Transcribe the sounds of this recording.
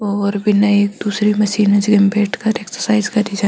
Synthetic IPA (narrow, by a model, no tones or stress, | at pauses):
ɔːɾbʱinɐieːkd̪uːsɾimɐʃiːnɐd͡ʒɡembeːʈʰkɐɾeksəɾsaːɪzkɐɾid͡ʒa